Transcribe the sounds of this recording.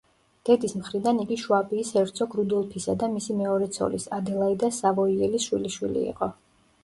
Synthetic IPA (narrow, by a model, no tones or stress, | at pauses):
d̪̥ɛd̪ismχɾid̪aniɡiʃwabiːsɛvɾt̪sʰɔɡɾud̪ɔlˠpʰisad̪amisimɛɔɾɛt̪sʰɔ̰lisad̪ɛlˠaid̪asavɔiɛlisʃwḭliʃwḭlḭḭqʼɔ